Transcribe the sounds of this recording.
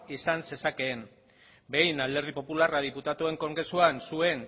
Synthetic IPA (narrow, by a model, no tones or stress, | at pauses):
isanse̞sake̞ːn | be̞jnald̪e̞ɾðipo̞pularað̞iput̪at̪ue̞ŋko̞ŋɡɾe̞suansue̞n